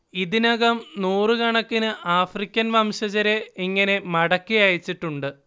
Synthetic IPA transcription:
iðinɐɣɐmnuːrɨkɐɳɐkːinɨʔaːfrikʲːɐnʋɐmɕɐd͡ʑɐɾeiŋːɐne̞mɐɽɐkːijaːjit͡ɕːiʈːuɳɖɨ

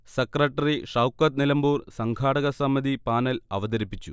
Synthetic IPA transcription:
sekrɐʈːɐriʂɐwkːɐt̪̚nilɐmbuːrsɐŋɡʱaːɽɐɣɐsɐmɐd̪ipaːnɐlɐʋɐd̪ɐɾipːit͡ɕːṵ

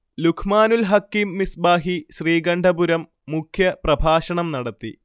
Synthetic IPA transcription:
lukʰmaːnulɦɐkːimːisbaːɦiɕriːɡɐɳɖʱɐbuɾɐmːukʰjɐprɐbʱaːɕɐɳɐmnɐɽɐt̪ːḭ

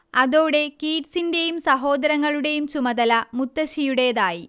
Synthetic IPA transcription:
ɐðoːɽe̞kiːʈsinde̞jumsɐɦo̞ːd̪ɐɾɐŋːɐɭuɽe̞jumt͡ɕumɐd̪ɐlɐmut̪ːɐɕijuɽe̞jðaːji

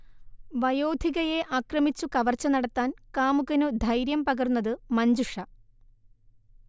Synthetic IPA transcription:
ʋɐjo̞ːd̪ʱiɣɐje̞ʔaːkrɐmit͡ɕːukɐʋɐrt͡ɕːɐnɐɽɐt̪ːaːnkaːmuɣɐnud̪ʱɐjɾjɐmpɐɣɐrnːɐðɨmɐɲd͡ʑuʂɐ

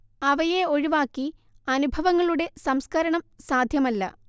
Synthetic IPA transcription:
ɐʋɐjeo̞ɻiʋaːkːi | ɐnubʱɐʋɐŋːɐɭuɽe̞sɐmskɐɾɐɳɐmsaːd̪ʱjɐmɐlːɐ̰

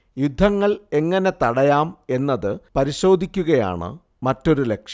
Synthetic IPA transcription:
jud̪ʱːɐŋːɐɭe̞ŋːɐne̞t̪ɐɽɐjaːme̞nːɐðɨpɐɾiɕo̞ːd̪ʱikʲːuɣɐja̰ːɳɨ̰ | mɐtːo̞ɾule̞kʂɐ

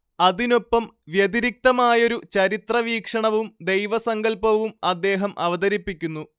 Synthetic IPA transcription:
ɐðino̞pːɐmʋjɐd̪iɾik̚t̪ɐmaːjoɾut͡ɕɐɾit̪rɐʋiːkʂɐɳɐʋumd̪e̞jʋɐsɐŋɡɐlpɐʋumɐd̪ːe̞ːɦɐmʔɐ̰ʋɐd̪ɐɾipːikʲːunːu

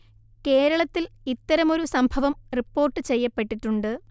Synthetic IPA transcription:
ke̞ːɾɐɭɐt̪ːilit̪ːɐɾɐmo̞ɾusɐmbʱɐʋɐmripːo̞ːrʈːɨt͡ɕe̞jːɐpːe̞ʈːiʈːuɳɖɨ

